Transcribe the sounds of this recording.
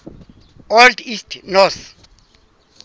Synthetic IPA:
ɔldistʰnɔθ

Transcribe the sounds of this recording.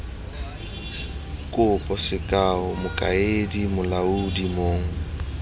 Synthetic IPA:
kʼʊpʼɔsɪkʼaʊmʊkʼa̰edimʊlaudimoːŋ̩

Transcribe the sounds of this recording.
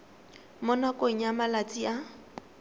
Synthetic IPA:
mʊnakʼoɲ̩amalat͡sʼia

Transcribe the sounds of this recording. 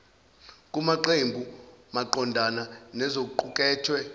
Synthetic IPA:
kʼumaǃembʱumaǃɔndʱananɛzok̬uǃukʼɛːtʰwɛ

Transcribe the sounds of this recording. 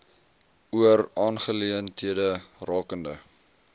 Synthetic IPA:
uərɑːnχəliəntɦiədərɑːkəndə̰

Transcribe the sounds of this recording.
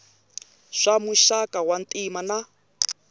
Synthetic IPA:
ʂamuʃakʼawan̩tʼimana

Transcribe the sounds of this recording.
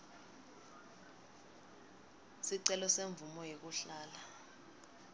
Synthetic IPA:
siǀɛlɔseɱvumɔjek̬uɬaːla

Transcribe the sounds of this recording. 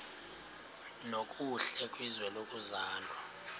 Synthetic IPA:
nokʼuɬɛkʼwizwɛlokʼuzaːlwa

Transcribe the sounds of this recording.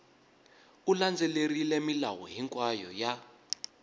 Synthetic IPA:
uland͡zʱɛlerilɛmilawɔɦiŋkʼwajɔ̰ja

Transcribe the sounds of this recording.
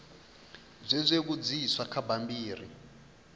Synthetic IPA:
zʷɛzʷek̬ud͡ziswakʰabambiːri

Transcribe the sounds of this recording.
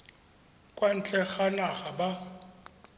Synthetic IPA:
kʼwan̩t͡ɬʼɛɣanaɣaba

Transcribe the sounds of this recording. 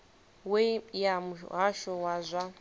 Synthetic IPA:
wejamuɦaʃɔwazʷa

